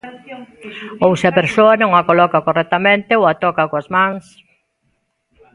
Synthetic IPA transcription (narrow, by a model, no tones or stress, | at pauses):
owsɪɐpeɾsoɐnõŋakolɔkakorɛt̪amẽnt̪eoat̪ɔkakoazmãŋs